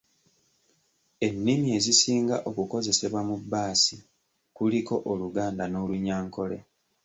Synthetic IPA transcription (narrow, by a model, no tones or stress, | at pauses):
e̞nːimie̞zisiːŋɡa̰ʔo̞kuko̞ze̞se̞βwamubːaːsi | kuliko̞ʔoluɡaːndano̞ːluɲaːŋko̞le̞̰